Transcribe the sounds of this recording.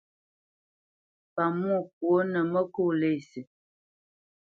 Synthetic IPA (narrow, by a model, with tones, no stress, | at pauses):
pa˨mu˦˨k̚wo˦nə˨mə˦ku˦˨le˦˨si˨